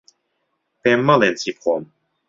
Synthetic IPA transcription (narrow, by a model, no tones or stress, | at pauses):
pɛmːalɛnt͡sipʰɔm